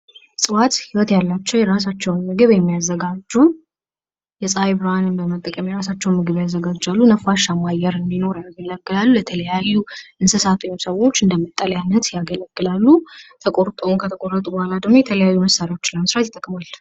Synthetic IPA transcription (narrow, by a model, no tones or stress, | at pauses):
sʼɨwat̪hiwɔt̪jalːat͡ʃːɛwjɛɾas̬at͡ʃːɛwnmɨɡɨβjɛmːijazːəɡad͡ʒːɛwn | jɛsʼajbɨɾanɨnbəmət̪ʼəkʼəmjɛɾasat͡ʃːɛwnmɨɡɨβjazːəɡad͡ʒalːunəfaʃamajɛɾɨnd̪ino̞ɾjaɡələɡʼːɨlalːujɛt̪ʰələjajːuʔɨnsɨsat̪ʼsəwo̞t͡ʃːɨnd̪əmːɨt̪ʼːəljanːət̪jaɡələɡ̥ʼːɨlalːut̪ʰəkʼo̞ɾt̪ʼownkʰət̪ʰəkʼo̞rːət̪ʼubohalad̪əɡmojɛt̪ʰələjajːuməsaɾio̞t͡ʃːləməsɾat̪ɪt̪ʼːəkʼmal